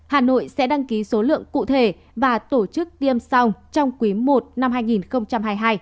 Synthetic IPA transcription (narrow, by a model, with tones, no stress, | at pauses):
haː˨˩no̰˧˨jsɛ̰˧˥ɗa˧ŋki˨˦so˨˦lɨ̰˧˨əŋkṵ˧˨t̪ʰe˧˩ | vaː˨˩t̪o˧˩t͡ɕɨ˦˥k̚t̪i˧əmsa˧wŋ͡mt͡ɕɔ˧wŋ͡mkwi˨˦mo˨˩t̚na˧mɦaː˧jŋi˨˩nxə˧wŋ͡mt͡ɕa˧mɦaː˧jɦaː˧j